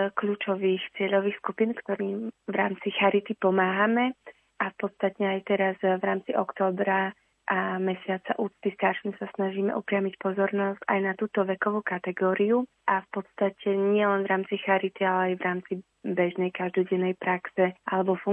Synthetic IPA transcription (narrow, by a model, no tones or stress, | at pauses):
kʎuːt͡ʃɔʋiːxt͡sɪɛʎɔʋiːxskupiːnkt̪ɔɾiːmʋɾaːmt͡sixaɾit̪ipɔmaːɦamɛ | ʔafpɔt̪st̪at̪ɲɛajt̪ɛɾazʋɾaːmt͡siʔɔkt̪ɔːbɾa | ʔamɛsɪat͡saʔuːt͡st̪ist̪aɾʃimsasnaʒiːmɛ̰ʔɔpɾɪamicpɔzɔɾnɔsca̰jnat̪uːt̪ɔʋɛkɔʋuːkat̪ɛɡɔːɾiu | ʔafpɔt̪st̪acɛɲɪɛlɛnvɾaːmt͡sixaɾit̪ialɛajʋɾaːmt͡si | bɛʒnɛjkaʒd̪ɔɟɛnːɛjpɾaksɛalɛbɔfu